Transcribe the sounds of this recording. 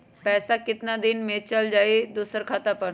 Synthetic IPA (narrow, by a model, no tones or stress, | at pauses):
pɛːsakɪt̪nad̪ɪnmet͡ʃəld͡ʒaːed̪usəɾkʰaːt̪apəɽ